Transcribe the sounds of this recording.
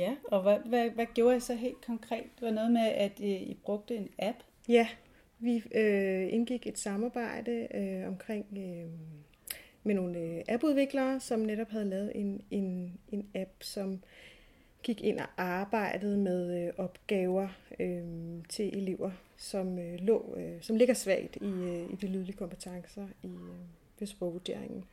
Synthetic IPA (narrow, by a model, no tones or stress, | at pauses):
jæɒ̽ʋæʋæʋæɡ̥jo̝ːɐisɒ̽ɦe̝̰ːld̥̚kʰɒ̽ŋkʰʁɛ̰ːd̥ʋɑnɔːð̩ˠmeæd̥ib̥ʁɔ̽ɡ̥̚d̥əe̝næb̥ | jæ | ʋiøe̝nɡ̥iɡ̥e̝d̥sɑ̈mɑ̈ːb̥ɑ̈ɪ̰d̥əøɒ̽mkʰʁeŋ̰ø | meno̝ːnəʔæb̥uð̞ˠʋe̝ɡ̥lɐːsɒ̽mneɾɒ̽b̥ɦæð̞̩ˠlɛːʊð̩ˠe̝ne̝ne̝næb̥sɒ̽m | ɡ̥iɡ̥e̝n̰ɒʔɑ̈ːb̥ɑ̈ɪ̰d̥əð̞̩ˠmeðˠøʔɒ̽b̥ɡ̥ɛːʊɐøt͡sʰe̝lʔe̝le̝ʊ̰ɐ | sɒ̽mølɔ̰̽ːsɒ̽mle̝ɡ̥ɐsʋɛɪ̰d̥iid̥ilyːð̞ˠliəkʰɒ̽mpʰet͡sʰɑ̈ŋsɐi | ʋesb̥ɒʊʋod̥e̝ɐ̰eŋn̩